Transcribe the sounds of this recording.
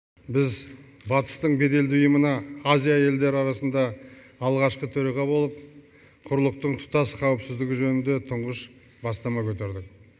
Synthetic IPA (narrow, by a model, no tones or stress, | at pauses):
bɪz | bɑt̪ə̥st̪əɴbe̞d̪e̞ld̪ɪʊjəmənɑazʲijaje̞ld̪e̞ɾɪɑɾɑsənd̪ɑː | lˠʁɑʃqət̪ʰɵɾɑʁɑbo̞lˠəp̚ | qʰʊɾlˠəq̚t̪əɴt̪ʰʊ̥t̪ɑsqʰɑwəpsɪzd̪ɪɡʲɪʒɵnɪnd̪e̞t̪ʰʊɴʁəʃ | bɑst̪ɑmɑkʲʰɵt̪e̞ɾd̪ɪk̚